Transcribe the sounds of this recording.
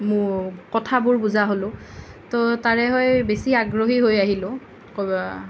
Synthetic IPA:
mʊkɔtʰabʊɹbuzaɦolʊ̃ | tɔtaɹɛɦɔjbesiaɡɹoɦiɦojaɦilʊ̃ | koba

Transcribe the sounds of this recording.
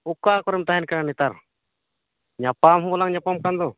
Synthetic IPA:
ukːaːkɔɾɛmt̪aɦɛnkananit̪aɾ | ɲapːamɦũbɔlaŋɲapːamkand̪ɔ

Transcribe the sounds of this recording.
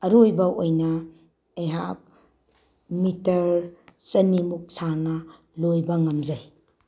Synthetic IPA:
ɐɾojbɐʔojnɐ | ejɦak̚ | mitɐɾt͡ʃɐnimuk̚sʰaɾnɐ | lojbɐŋɐmzaj

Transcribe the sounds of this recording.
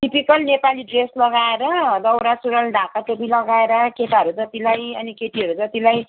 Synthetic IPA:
ʈipikʌlnepaliɖreslʌɡaeɾʌd̪ʌwɾasuɾʌlɖ̪ʱakaʈobilʌɡaeɾʌket̪aɦʌɾud͡zʌt̪ilajʌnikeʈiɦʌɾud͡zʌt̪ilaj

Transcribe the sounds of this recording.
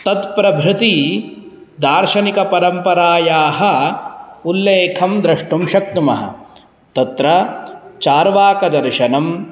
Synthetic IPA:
t̪ɐt̪pɾɐbʱɾɪt̪i | d̪aːɾʃɐnikɐpɐɾɐmpɐɾaːjaːɦɐ̆ | ulːeːkʰɐmd̪ɾɐʂʈumʃɐk̚t̪umɐɦɐ̰ | t̪ɐt̪ɾɐt͡ʃaːɾʋaːkɐd̪ɐɾʃɐnɐm

